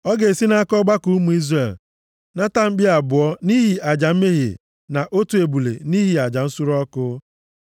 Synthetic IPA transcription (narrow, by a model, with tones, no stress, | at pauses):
ɔ˦ɡe˨si˦na˦a˦kɔ˦ɡ͡ba˦ku˦mu˨i˦zre˨l | na˦ta˦m̩˦ɡ͡bɪ˦a˨bʊ˨ɔ˦ni˦ɦi˨ʔa˨d͡ʒa˨m̩˦me˦ɦḛ˨ | na˨ʔo˦tu˨e˨bu˨lḛ˨ni˦ɦi˨a˨d͡ʒa˨n̩˦sʊ˦ɾɔ˦kʊ˦